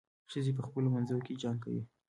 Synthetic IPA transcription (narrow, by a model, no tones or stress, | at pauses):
ʃəzep̬əxpəlomanzajoked͡ʒɑŋɡka̰wḭ